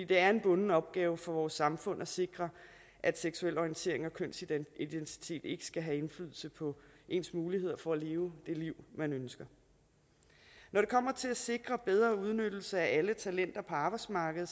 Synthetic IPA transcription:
ḭːd̥e̝æɐe̝nb̥ɔ̽nnəɒ̽b̥̚ɡ̥ɛːʊfɒ̽ʋɒːsːɑ̈mfɔ̽n̰æse̝ɡ̥ʁɐ | ʔæd̥seɡ̥suel̰ɒint͡sʰe̝ɐe̝ŋɒ̽kʰøn̰siid̥ent͡sʰi̥t͡sʰe̝̰ːd̥e̝ɡ̥ə̥sɡ̥æɦæe̝nflyð̰ˠl̩səpʰɒ̽ʔe̝nsmuːlihe̝ð̞̰ˠɐfɒ̽æle̝ːʊd̥e̝liʊ̰mænønsɡ̥ɐ | nɒɾ̥e̝kʰɒ̽m̰ɐt͡sʰe̝læse̝ɡ̥ʁɐb̥eð̞ˠʁɐːuð̞ˠnød̥l̩səæælət͡sʰælen̰d̥ɐpʰɒ̽ɑ̈ːb̥ɑ̈ɪsmɑ̈ːɡ̥əð̩ˠ

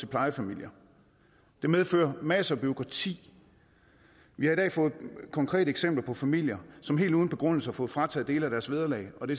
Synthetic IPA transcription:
e̝pʰlɑ̈ɪəfæmil̰jɐ | d̥e̝meðˠfø̰ːɐmæsəɒb̥yo̝kʰʁɑ̈t͡sʰḭː | ʋihɑ̈id̥ɛ̰ːfɔ̽ːð̞̩ˠkʰɒ̽ŋkʰʁɛ̰ːɾəeɡ̥semb̥lɐpʰɒ̽fæmil̰jɐsɒ̽mɦe̝̰ːlduːðˠn̩b̥e̝ɡ̥ʁɔ̽n̰l̩səhɑ̈fɔ̽ːð̩ˠfʁɑ̈t͡sʰɛ̰ðˠde̝ːləæɾ̥æɐsʋe̝ðˠɐlɛ̰ɪɒ̽d̥e̝

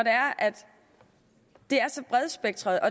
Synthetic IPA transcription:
ɒɾ̥e̝æɐʔæd̥ | d̥e̝æɐsɒ̽b̥ʁɛðˠsb̥eɡ̥̚t͡sʰʁɐð̞̩ˠɒ̽

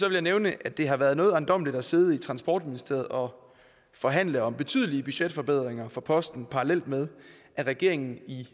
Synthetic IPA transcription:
sɒʋe̝ljɑɪneʊnəʔæd̥e̝ɦɑ̈ʋæɐðˠnɔ̽ːðˠænd̥ɒ̽m̰lid̥æse̝ð̞ˠit͡sʰʁɑ̈nsb̥ɒ̰ːd̥minisd̥e̝ɐð̩ˠɒ̽ | fɒ̽ɦæn̰ləɒ̽mb̥e̝t͡sʰy̰ð̞̰ˠəliəb̥yɕed̥fɒ̽b̥e̝ð̰ˠʁeŋɐfɒ̽pʰɒ̽sd̥n̩pʰɑ̈ʁɑlel̰d̥með̞ˠ | ʔæʁɛɡ̥e̝ɐ̰e̝ŋn̩i

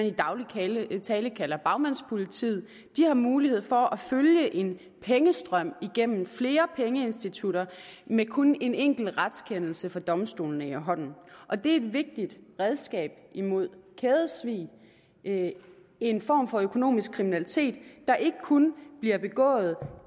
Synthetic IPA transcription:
nid̥ɑ̈ʊlʰt͡sʰɛːləkʰælɐb̥ɑ̈ʊmæn̰spʰo̝lit͡sʰḭðˠ | d̥ihɑ̈muːlihe̝ð̞̰ˠfɒ̽ʔæføljəʔe̝n | pʰeŋəsd̥ʁɶm̰iɡ̥em̰m̩fle̝ːɐpʰeŋəe̝nsd̥it͡sʰuɾɐmekʰone̝neŋ̰ɡ̥l̩ʁad̥skʰen̰l̩səfɒd̥ɒ̽msd̥o̝̰ːln̩eɐɦɒ̽n̰n̩ʔɒ̽d̥e̝e̝d̥ʋe̝ɡ̥̚d̥id̥ʁɛð̞ˠsɡ̥ɛ̰ːb̥imo̝ð̞̰ˠkʰeːðˠəsʋḭː | enfɒ̰ːmfɒ̽økʰo̝no̝̰ːmisɡ̥̚kʰːʁiminælit͡sʰe̝̰ːd̥ːɑ̈ʔe̝ɡ̥əkʰunb̥liɐb̥e̝ɡ̥ɔ̰̽ːð̩ˠ

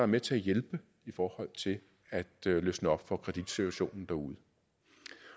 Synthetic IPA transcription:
ɑ̈æɐmet͡sʰe̝æjelb̥ə | ifɒːhɒ̽l̰t͡sʰe̝l | æd̥løsnəɒ̽b̥fɒ̽kʰʁɛd̥id̥sit͡sʰuæɕo̝̰ːnn̩d̥æɐuð̞̩ˠə

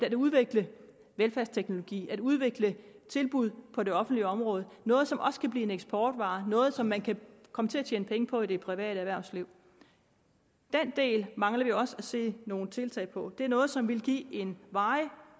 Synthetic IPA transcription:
æduð̞ˠʋe̝ɡ̥lə | ʋelfæɐst͡sʰeɡ̥no̝lo̝ɡ̥ḭːæd̥uð̞ˠʋe̝ɡ̥lət͡sʰe̝lb̥uð̞̰ˠpʰɒ̽de̝ɒ̽fn̩d̥liəɒ̽mʁɔ̽ːð̞ˠənɔ̽ːð̞̩ˠsɒ̽mʔɒ̽sə̥kʰæb̥liːe̝neɡ̥sb̥ɒːd̥ʋɑ̈ːnɔ̽ːð̞̩ˠsɒ̽mːænkʰækʰɒ̽mət͡sʰe̝æt͡ɕʰeːnəpʰeŋəpʰɒ̽id̥e̝pʰʁiʋɛ̰ːɾ̥əæʋæɐ̰ʊsliʊ̰ | d̥en̰d̥e̝̰ːlmɑ̈ŋlɐʋiɒ̽sæse̝̰ːno̝ːn̩t͡sʰe̝lt͡sʰɛ̰ɪpʰɒ̽d̥e̝æɐnɔ̽ːð̞̩ˠsɒ̽mʋe̝lɡ̥ḭːe̝nʋɑ̈ɪ

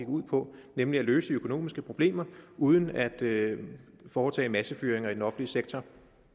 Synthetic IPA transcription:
iɡ̥uð̰ˠpʰɒ̽nemliælø̰ːsəd̥iøkʰo̝no̝̰ːmisɡ̥əpʰʁo̝b̥le̝̰ːmɐʔuð̞ˠən̩æd̥ | fɒːt͡sʰɛ̰ːmæsəfyːɐeŋɐid̥enɒ̽fn̩liəseɡ̥̚t͡sʰɒ

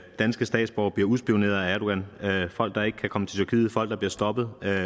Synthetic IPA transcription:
d̥ænsɡ̥əsd̥ɛ̰ːd̥sb̥ɒ̰ʊ̰b̥liɐuðˠsb̥io̝ne̝̰ɐð̩ˠææɐɾ̥o̝̥ænøfɒ̽l̰ɡ̥d̥ɑ̈e̝ɡ̥əkʰækʰɒ̽mət͡sʰe̝lt͡sʰyɐkʰiːfɒ̽l̰ɡ̥d̥ɑ̈b̥liɐsd̥ɒ̽b̥ð̩ˠ

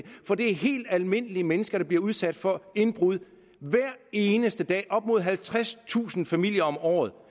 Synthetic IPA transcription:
fɒ̽d̥e̝æɐɦe̝̰ːld̥ælme̝n̰əliəmenəsɡ̥ɐɾ̥ɑ̈b̥liɐuð̞ˠsæd̥fɒ̽e̝nb̥ʁuð̞̰ˠ | ʋæɐ̰e̝ːnəsd̥əd̥ɛ̰ːʔɒ̽b̥̚mo̝ð̞̰ˠɦælt͡sʰʁast͡sʰṵːsn̩fæmil̰jɐɒ̽mɒ̰ːð̞̩ˠ

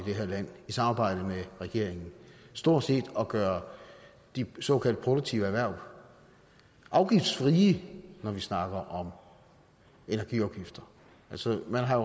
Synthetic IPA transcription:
id̥eɦeɐ̰læn̰isɑ̈mɑ̈ːb̥ɑ̈ɪ̰d̥əmeʁɛɡ̥e̝ɐ̰e̝ŋn̩sd̥o̝ɐ̰̥se̝̰ːd̥ɒ̽ɡ̥ɶːɐ | d̥isɒ̽ːkʰæl̰d̥̚pʰʁo̝ɾ̥oɡ̚t͡sʰiʊəæʋæɐ̰ʋ | ʔɑ̈ʊɡ̥ifd̥sfʁiːənɒʋisnɑ̈ɡ̥ɐʔɒ̽m | e̝næɐɡ̥ḭɒʊɡ̥ifd̥ɐ | ælsəmænɦɑ̈jo

